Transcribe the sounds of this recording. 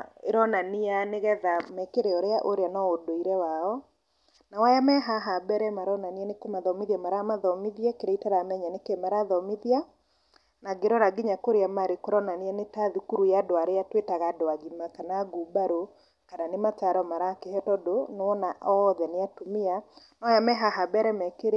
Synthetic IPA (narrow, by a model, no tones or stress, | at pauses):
eɾɔnanianeɣɛðamɛkeɾeɔɾeaʔoɾeanɔodoiɾɛwaɔ | nawajamɛɦaɦabɛɾɛmaɾɔnanianekomaðɔmiðiamaɾamaðɔmiðiɛkeɾɛitaɾamɛɲanekɛmaɾaðɔmiðia | naɡeɾɔɾaɡiɲakoɾeamaɾekoɾɔnaneɛnetaðikuɾujadoaɾeatwetaɣadoaɡimakanaɡubaɾo | kananemat͡ʃaɾɔmaɾakehɛtɔdonwɔnaɔðɛneatomianawajamɛɦaɦabɛɾɛmɛkeɾe